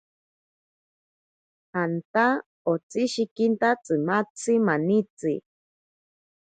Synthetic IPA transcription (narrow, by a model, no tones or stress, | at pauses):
hant̪a | ot͡siʃikint̪at͡sʼɨmat͡simanit͡si